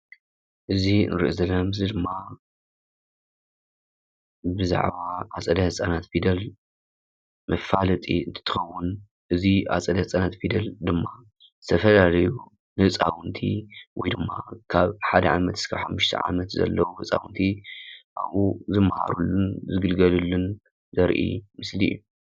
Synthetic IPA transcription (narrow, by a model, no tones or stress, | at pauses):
ʔɨzinɨɾɨ̰ʔuzɐlɐmzɨd̪ɨmːa | bɨza̰ʕbaʔat͡sʼɐd̪ɐhɨt͡sʼanat̪fid̪ɐl | mɐfalɐt̪ʼḭɨnt̪ʰɨ̥t̪ʰɨ̥xɐwːun | ʔɨzia̰t͡sʼɐd̪ɐht͡sʼanat̪fid̪ɐld̪ɨmːa | zɨ̥t̪ʰɐfɐlalɐju | nɨhɨt͡sʼa̰wʊnt̪ʰḭwɔjd̪ɨmːa̰kʰaβħad̪ɐʕamɐt̪ɨskʰaβħamːuʃt̪ʰɐ̰ʕa̰mɐt̪zɐ̰lːɐwuhɨt͡sʼa̰wunt̪ʰiʔa̰βuzɨmːaha̰ɾulːunzɨɡɨlɡɐlulːun | zɐɾʔḭmɨslḭjːu